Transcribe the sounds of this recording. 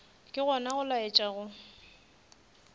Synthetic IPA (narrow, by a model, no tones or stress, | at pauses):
kʼɪɣɔnaɣʊlaɪt͡ʃʼaɣʊ